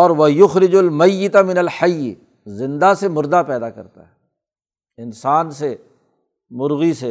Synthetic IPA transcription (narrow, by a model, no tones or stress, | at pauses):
ɔːɾʋɐjʊxɾɪd͡ʒʊlmɐjːɪt̪amɪnɐlħɐjː | zɪ̃nd̪asemʊɾd̪apɛːd̪akɐɾt̪a̰ɦɛ | ɪnsaːnse | mʊɾɣise